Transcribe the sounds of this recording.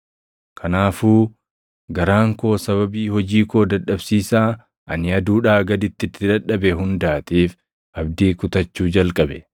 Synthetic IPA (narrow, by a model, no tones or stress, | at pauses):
kʰɐnaːfuː | ɡɐɾaːŋko̞ːsɐβɐbiːhɔd͡ʒiːko̞ːd̪ɐᶑɐbsiːsaː | ʔɐnɪɐd̪uːᶑaːɡɐd̪ɪt̪ːɪt̪ːɪᶑɐᶑɐbɛɦʊnd̪aːt̪iːf | ʔɐb̚d̪iːkʊt̪ɐt͡ʃːuːd͡ʒɐlkʼɐbɛ